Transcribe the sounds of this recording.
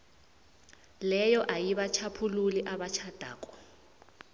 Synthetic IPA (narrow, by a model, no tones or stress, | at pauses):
lɛjɔʔajiβat͡ʃʰapʰululiʔaβat͡ʃʰad̥ʱa̰ːkɔ̥